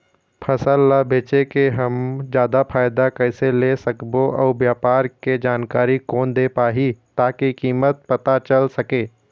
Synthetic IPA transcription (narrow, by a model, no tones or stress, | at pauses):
pʰɐsəlːabeːt͡ʃekeɦɐmd͡ʒjaːd̪apʰaːɪd̪akɛːselesəkboʔɔːɾʋjaːpaːɾked͡ʒaːnkaːɾikɔːnd̪eːpaːɦit̪aːkikiːmət̪̚pɐt̪at͡ʃəlsɐkeː